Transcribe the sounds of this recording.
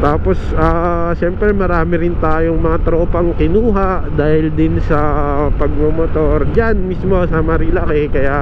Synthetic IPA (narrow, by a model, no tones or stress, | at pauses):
t̪aːposaːʃɛmpɾɛmɐɾaːmɪɾɪnt̪aːjoŋmɐŋat̪ɾopɐŋkɪnuːɦaʔd̪aːhɪld̪ɪnsɐpɐɡ̚momot̪oɾd͡ʒanmismosamɐɾilakɛkɐjaʔ